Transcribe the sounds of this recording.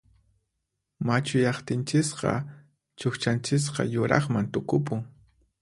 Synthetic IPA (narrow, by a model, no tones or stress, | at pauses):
mat͡ʃʊjɑχt̪ɪnt͡ʃɪsqɑ̰ | t͡ʃoxt͡ʃant͡ʃɪs̬qɑ̰jʊɾɑχmant̪ʊkʊp̬ʊŋ